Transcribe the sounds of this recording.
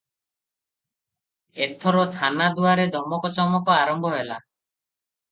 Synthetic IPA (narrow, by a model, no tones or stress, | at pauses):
et̪ʰɔɾɔt̪ʰanad̪uaɾed̪ʱɔmɔkɔt͡ʃɔmɔkɔaɾɔmbʱɔɦela̰